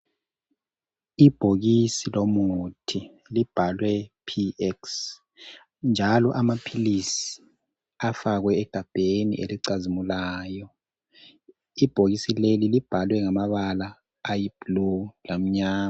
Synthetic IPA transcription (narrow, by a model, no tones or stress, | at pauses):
ib̥ʱoɣisilomuutʰi | lib̥ʱalwɛpʰiɛks | nd͡ʒʱalɔʔamapʰilisi̥ | afaɣwɛːɡ̥ʱab̥ʱenḭʔḛliǀazimulaːjɔ | ib̥ʱoɣisilelilib̥ʱalwɛŋamaβalaː | jiblulam̩ɲaːma